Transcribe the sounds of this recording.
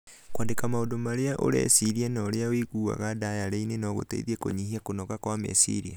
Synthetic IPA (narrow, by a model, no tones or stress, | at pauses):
kwandekamaodomaɾeaʔo̰ɾɛ̰siɾianɔːɾeawiɣua̰ɣadajaɾeinenɔɣo̰tɛ̰ḭðiɛko̰ɲihiakonɔkakwamɛ̰sḭɾia